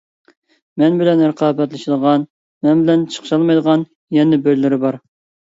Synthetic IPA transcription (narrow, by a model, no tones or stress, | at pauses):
mɛnbɪlɛnɾəqʰɑːbɛt̪lɪʃilˠəʁɑn | mɛnbɪlɛnt͡ʃʰə̥qʃɑlˠmɑjd̪əʁɑn | jɛnɪbølːɪɾɪbɑɾ